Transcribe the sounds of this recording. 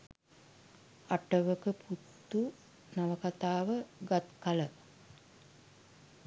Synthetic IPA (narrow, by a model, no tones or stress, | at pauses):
aʈəʋəkəpʰut̪ːu | naʋəkat̪aːʋəɡat̪kalə